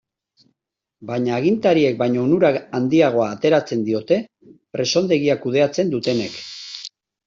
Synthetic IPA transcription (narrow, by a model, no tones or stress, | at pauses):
baɲaːɣ̞int̪aɾie̞k̚bajɲo̞nuɾaand̪iaɣ̞o̞aːt̪e̞ɾat͡se̞nd̪io̞t̪e̞ | pɾe̞so̞nd̪e̞ɣiakuð̞e̞at͡se̞nd̪ut̪e̞ne̞k